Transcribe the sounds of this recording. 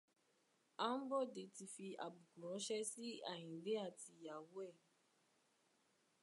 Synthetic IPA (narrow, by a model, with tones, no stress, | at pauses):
a˦m̩˦bɔ˦de˨ti˧fi˧a̰˨bu˨ku˨ɔ̃˨˦ʃɛ˦si˦a̰˨ɲĩ˨de˦a˦˨ti˨ja˨wwɛ˦˨